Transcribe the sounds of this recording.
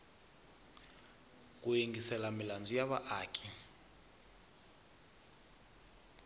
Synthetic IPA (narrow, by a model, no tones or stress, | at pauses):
k̬ʼujeŋɡisɛlamiland͡zujaβa̰ʔaːkʰʼi